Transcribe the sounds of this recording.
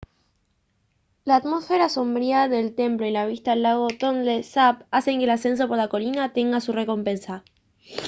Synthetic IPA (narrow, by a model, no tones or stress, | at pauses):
laːt̪mo̞sfe̞ɾaso̞mbɾiaðe̞lt̪e̞mplo̞ilaβ̞ist̪alaɣo̞t̪o̞nd̪esapase̞ŋkelase̞ns̬o̞po̞ɾlako̞linat̪e̞ŋɡasure̞ko̞mpe̞nsa